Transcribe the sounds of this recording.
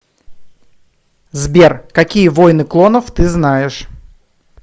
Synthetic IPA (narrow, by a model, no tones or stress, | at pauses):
zbʲerkɐkʲijəvojnɨklˠonəft̪ɨznajɪʂ